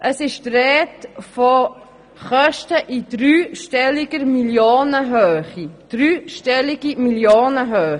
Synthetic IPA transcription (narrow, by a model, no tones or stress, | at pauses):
ʔəsɪʃtrɛːtfɔ | χœʃtəʔid̥ɾyːʃtɛlɪɡəɾmiljoːnəɦøːχid̪̥ɾyːʃtɛliɡ̥imiljoːnəɦøːχ